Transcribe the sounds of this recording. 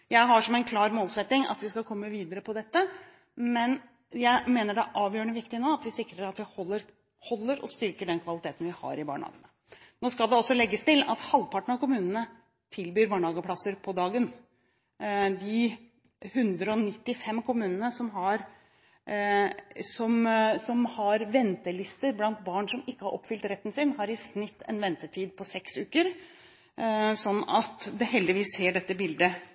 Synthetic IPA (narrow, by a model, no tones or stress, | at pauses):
jæɪɦɑʂɔmɛnkʰlɑːɾmoːlsɛt̪ːɪŋɑ̰t̪ʋɪskɑkʰɔmːəʋiːd̪əɾəpʰɔd̪ɛt̪ːə | mɛn | jæɪmeːnəɖɛʔɑːʋjøːɾəɳəʋɪkt̪ɪnoːɑt̪ʋɪsɪkɾəɾɑt̪ʋɪhɔlːəɾ | hɔlːəɾʔɔ̰st̪ʏɾkəɖɛnkʰʋɑlɪt̪ʰeːt̪n̩ʋɪhɑ̰ɾɪbɑ̰ːɳəhɑ̰ːɡənə | noːskɑld̪ɛɔsːɔlɛɡːəst̪ɪlɑ̰t̪hɑlʋpʰɑʈɳ̩ɑkʊmʉːnənə | t̪ʰɪlbyːɾbɑːɳəhɑːɡəpʰlɑsəɾpʰɔd̪ɑːɡən | d̪ɪ | hʉnd̪ɾəɔnɪt̪ːɪfɛmːkʰʊmʉːnənəsɔmɦɑɾ | sɔmsɔmhɑɾʋɛnt̪əlɪst̪əɾblɑnt̪̚bɑɳʂɔmɪkːəhɑɾʔɔ̰pːfʏlt̪ɾɛt̪ːənsɪnhɑɾɪsnɪt̪ːɛ̰nʋɛnt̪əʈ̪ʰiːd̪̚pʰɔsɛksʉːkəɾ | sɔnːɑt̪d̪ɛɦɛld̪ɪʋiːsːeːɖɛt̪ːəbɪld̪ə